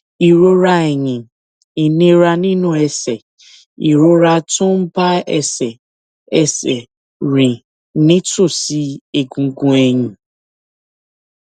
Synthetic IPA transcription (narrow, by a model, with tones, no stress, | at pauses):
i˨ɾo˦ɾa˦e˨ɲĩ˨ | i˨nẽ˦ɾa˧nĩ˦nʊ̃˦ɛ˧sɛ˨ | ḭ˨ɾo˦ɾa˧tʊ̃˦m̩˦ba˦ɛ˨sɛ˨ | ɛ˨sɛ˨ | ɾĩ˨ | nɪ̃˦tʊ˦˨si˦e˨ɡũ˨˦ɡũ˦e˧ɲĩ˨